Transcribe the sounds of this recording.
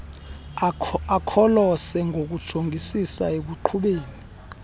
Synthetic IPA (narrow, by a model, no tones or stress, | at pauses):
akʰɔlɔsɛŋɡʱok̬ud̥ʒ̥ʱoŋɡʱisisaeɓuǃʰuɓeːni